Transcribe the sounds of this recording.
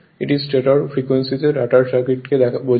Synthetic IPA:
iʈizsʈeʈɔɾfɾikwensit̪eɾaʈaɾsakiʈked̪ɛbo

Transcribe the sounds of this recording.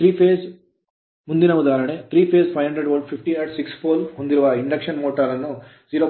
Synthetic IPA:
t̪ɾiːpʰeːs | mund̪inɐud̪aːɾɐɳet̪ɾiːpʰeːspʰɐjɦɐɳɖɾeɖʋɐnpʰipʈieːʈsikspʰoːlond̪iɾuʋɐiɳɖɐkʂɐnmoːʈɐɾɐnːu | ziːɾoː

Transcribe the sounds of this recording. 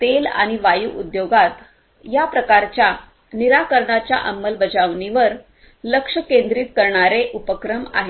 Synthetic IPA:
t̪ela̰ɽ̃iʋajuʔud̪joɡat̪ | japɾəkaɾt͡ɕja | niɾakəɾɳat͡ɕja̰ʔəmːəlbəd͡zaʋɳiʋəɾ | ləkʂəkẽnd̪ɾiːt̪kəɾɳaɾeʔupəkɾəma̰ɦe

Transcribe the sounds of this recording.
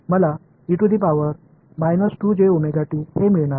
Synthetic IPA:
məla | juʈud̪iːpaʋəɾ | majnəsʈud͡ʑeumeɡaʈiːhemiɭɳaɾ

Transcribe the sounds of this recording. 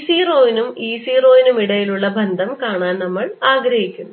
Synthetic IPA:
siːroːjnumiːsiːro̞ːjinumiɽɐjiluɭːɐbʱɐnd̪ʱɐmkaːɳaːnnɐmːɐɭaːɡɾɐɦikʲːunː

